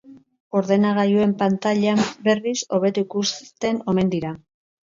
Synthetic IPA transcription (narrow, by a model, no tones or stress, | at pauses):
o̞ɾðe̞naɣ̞ajue̞mpant̪aʎambe̞riso̞β̞e̞t̪uikust̪e̞no̞me̞nd̪iɾa